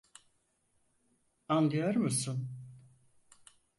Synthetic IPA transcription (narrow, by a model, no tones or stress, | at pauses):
and̪ɯjaɾmusun